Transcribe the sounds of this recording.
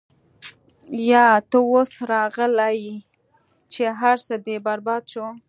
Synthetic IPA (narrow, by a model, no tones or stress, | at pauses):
jɑt̪əwosɾɑɣəlaj | t͡ʃeɦaɾsəd̪ebaɾbɑd̪ʃo